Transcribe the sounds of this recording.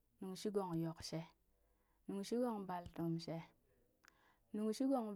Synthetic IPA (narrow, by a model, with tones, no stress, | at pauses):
nu˨ŋʃi˦ɡo˨ŋjo˨kʃe˦ | nu˨ŋʃi˦ɡo˦˨ŋba˨ltu˨mʃe˦ | nu˨ŋʃi˦ɡo˨ŋ